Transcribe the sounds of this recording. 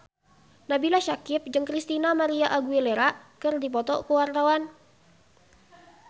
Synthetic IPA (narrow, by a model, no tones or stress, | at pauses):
nabilaʃakɪp̚d͡ʒɨŋkɾist̪inamaɾiaʔaɡuileɾaʔkɨrdip̬ɔt̪ɔkəwart̪awan